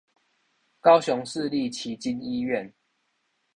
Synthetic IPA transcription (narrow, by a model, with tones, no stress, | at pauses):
kɑ˦ʊɕɔ˨˦ŋʂ̩˥˨li˥˨t͡ɕʰi˨˦t͡ɕi˦ni˦ɥɛ˥˨n